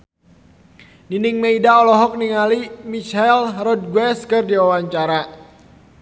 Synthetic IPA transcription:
ninɪŋmeidaɔlɔɦɔk̚niŋalimiʃalrɔd̚ɡwɛskɨrdiwawaɲt͡ʃaɾa

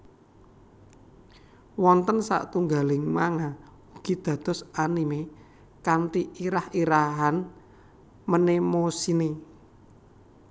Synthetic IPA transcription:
wɔnt̪ənsa̰t̪uŋɡalɪŋmaŋa | uɡ̥i̤d̪̥ä̤d̪̥ɔ̤sanime | kant̪iiɾahiɾaɦan | mənemosine

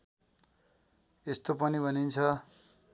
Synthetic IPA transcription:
est̪opʌnibʱʌnint͡sʰʌ

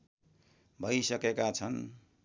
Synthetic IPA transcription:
bʱʌjsʌkekat͡sʰʌn

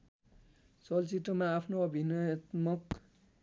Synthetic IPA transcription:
sʌlt͡sit̪ːʌmaːpʰnoʌbʱinʌjʌt̪mʌk

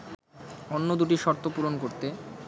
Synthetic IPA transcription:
onːod̪uʈiʃɔɾt̪opuɾonkoɾt̪e

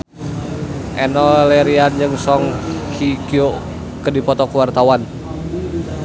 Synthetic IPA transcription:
ʔɛnɔlɛɾiand͡ʒɨŋsɔŋhikio | kədipɔt̪ɔkəwart̪awan

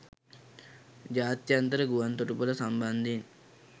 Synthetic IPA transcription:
d͡ʒaːt̪jɐnt̪ɐɾɐɡuʋɐnt̪oʈupulɐsɐmbɐnd̪ʱin

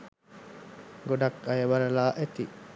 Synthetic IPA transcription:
ɡoɖɐkɐjɐʋɐɾɐlaːʔet̪i

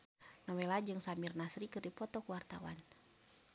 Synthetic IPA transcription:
nɔwɛlad͡ʒɨŋsamirnasɾikɨrdipɔt̪ɔkuwart̪a̰wa̰n

